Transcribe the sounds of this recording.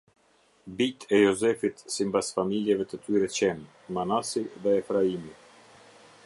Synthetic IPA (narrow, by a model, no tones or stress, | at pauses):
bit̪ʰɛjɔzɛfit̪simbasfamiljɛvɛt̪ət̪yɾɛt͡ɕɛn | manasiðɛɛfɾaimi